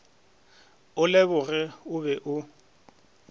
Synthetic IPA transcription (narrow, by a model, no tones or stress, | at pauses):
ʊlɪbʊrɪʊbɛʔʊ